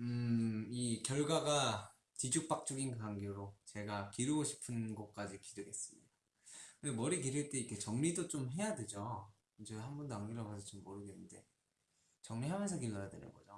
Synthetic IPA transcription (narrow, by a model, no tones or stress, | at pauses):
ɯikjʌɭɡwaɡa | t͡ɕid͡ʑuk̚p͈ak̚t͡ɕ͈uɡinkaŋɡoɾot͡ɕe̞ɡakiɾɯɡoɕʰi̥pʰɯnɡʌk̚k͈ad͡ʑikidɯɡe̞s͈ɯmɲid̥a | kɯndemʌɾik̬iɾɯɭt͈e̞ikʰe̞t͡ɕʌŋɲidot͡ɕomɦe̞jadwe̞d͡ʑo | d͡ʑehambundoaŋɡiɾobasʰʌt͡ɕomːoɾɯɡenɯnde̞ | t͡ɕʌŋɲiɦamjʌnsʰʌkilːʌjadwe̞̰nɯ̰nɡʌd͡ʑo